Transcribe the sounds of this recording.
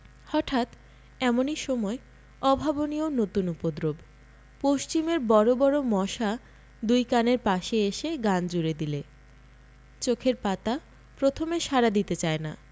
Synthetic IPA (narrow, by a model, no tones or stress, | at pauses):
hɔʈʰat̪ | ɛmoniʃɔmɔe | ɔbʱabonionot̪unupod̪ɾob | poʃt͡ɕimeɾbɔɾobɔɾomɔʃa | d̪ujkaneɾpaʃeeʃeɡand͡ʑuɾed̪ile | t͡ɕokʰeɾpat̪a | pɾot̪ʰomeʃaɾad̪it̪et͡ɕaena̰